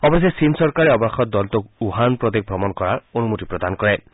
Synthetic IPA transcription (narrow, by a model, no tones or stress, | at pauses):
ɔbɔsjɔsinsɔɾkaɾeɔbaxɔt̪̚d̪ɔlt̪ɔkuɦanpɾɔd̪ek̚bʱɾɔmɔnkɔɾaɹonumut̪ipɾɔd̪ankɔɹe